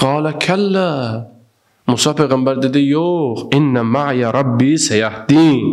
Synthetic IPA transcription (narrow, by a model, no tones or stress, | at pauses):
qɑːlɐkʰɐlːa | mʊsɑːpeɣɐmbɐɾd̪id̪ijoːxɪnːamaʕjaɾˤɑbːiːsɐjahd̪iːn